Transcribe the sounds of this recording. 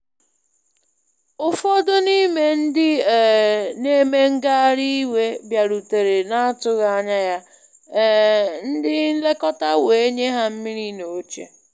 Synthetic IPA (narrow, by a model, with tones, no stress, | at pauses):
ʊ˨fɔ˦do˦ni˦me˦n̩˦dɪ˦˨ | ne˦me˦ŋ̩˦ɡa˦ɾi˦i˦we˦bja˨ɾu˨te˨ɾe˨na˦a˦tʊ˦ɣa˦ɲa˦ja˦ | n̩˦dɪ˦n̩˦le˦kɔ˦ta˦we˨e˦ɲe˦ɦa˦m̩˦mi˦ɾi˦no˨o˦t͡ʃe˦